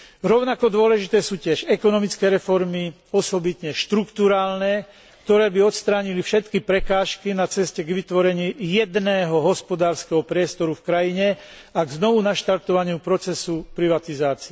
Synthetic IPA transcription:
ɾɔʊnakɔd̪ʊɔlɛʒit̪ɛːsuːcɪɛʃɛkɔnɔmit͡skɛːɾɛfɔɾmi | ɔsɔbit̪ɲɛʃt̪ɾukt̪uɾaːlnɛ | kt̪ɔɾɛːbiɔt̪st̪ɾaːɲilifʃɛt̪kipɾɛkaːʃkinat͡sɛscɛɡʋit̪ʋɔɾɛɲɪiːjɛd̪nɛːɦɔɦɔspɔd̪aːɾskɛɦɔpɾɪɛst̪ɔɾufkɾajiɲɛ | aɡznɔʋunaʃt̪aɾt̪ɔʋaɲɪupɾɔt͡sɛsupɾiʋat̪izaːt͡siɛ

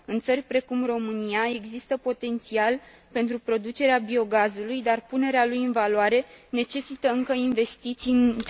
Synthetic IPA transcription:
ɨnt̪sərʲpɾe̞kumro̞mɨnijae̞ɡzist̪əpo̞t̪e̞nt̪sial | pe̞nt̪ɾupɾo̞d̪ut͡ʃe̞ɾeabio̞ɡazulujd̪arpune̞ɾealujɨnvaloaɾe̞ne̞t͡ʃe̞sit̪əɨŋkəinve̞st̪it̪sijn

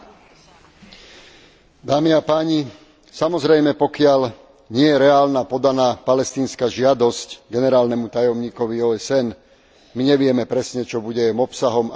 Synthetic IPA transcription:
d̪aːmiapaːɲi | samɔzɾɛjmɛpɔkɪaʎ | ɲɪɛjɛɾɛaːlnapɔd̪anaːpalɛst̪iːnskaʒɪad̪ɔscɡɛnɛɾaːlnɛmut̪ajɔmɲiːkɔʋiɔːɛsɛn | miɲɛʋɪɛmɛpɾɛsɲɛt͡ʃɔbuɟɛjɛmɔpsaɦɔm

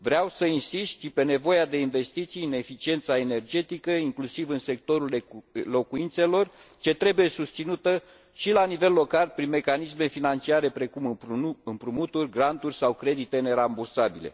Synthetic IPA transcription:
vɾeawsəinsist̪ʃipe̞ne̞vo̞jad̪e̞inve̞st̪it̪sijɨne̞fit͡ʃie̞nt̪sae̞ne̞rd͡ʒe̞t̪ikəiŋklusivɨnse̞k̚t̪o̞ɾullo̞kuint̪se̞lo̞rt͡ʃe̞t̪ɾe̞buje̞sust̪sinut̪ə | ʃilanive̞lːo̞kalpɾinme̞kanisme̞finant͡ʃiaɾe̞pɾe̞kumɨɨmpɾumut̪urʲɡɾant̪urʲsawkɾe̞d̪it̪e̞ne̞ɾambursabile̞̰

